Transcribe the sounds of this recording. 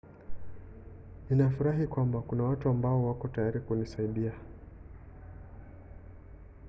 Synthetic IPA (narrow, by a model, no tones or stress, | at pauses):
ninafuɾaɦikwambakunawatuambaɔwakɔtajaɾikunisaiɗia